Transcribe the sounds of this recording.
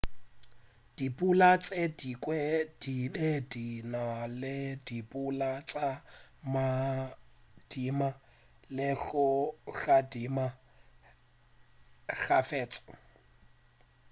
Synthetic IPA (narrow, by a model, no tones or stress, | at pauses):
d̥ipʼulat͡sʼedikʼwɛd̥iɗedinalɪdipʼulat͡sʼama | d̥ima | lɪɬʊɬadima | ɣafɛːt͡sʼɔ̥